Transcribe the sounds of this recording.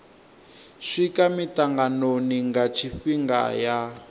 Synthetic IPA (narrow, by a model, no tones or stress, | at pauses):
ʂikamitaŋɡanoniŋɡat͡ʃʰiɸiŋɡa̰ja